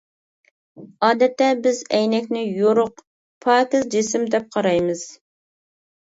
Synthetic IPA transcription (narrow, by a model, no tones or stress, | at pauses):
ɑːd̪ɛt̪ːɛbɪzɛjnɛkʲnɪjoɾʊq | pʰɑːkɪzd͡ʒɪsɪmd̪ɛp̚qʰɑɾɑjmɨz̥